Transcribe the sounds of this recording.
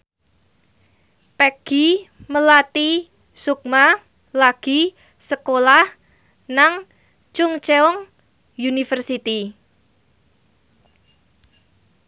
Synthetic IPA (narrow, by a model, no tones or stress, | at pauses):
pɛɡ̥iməlat̪i | suk̚ma | laɡ̥i̤ | səkolah | naŋ | t͡ʃʊŋt͡ʃeɔŋ | junifərsit̪i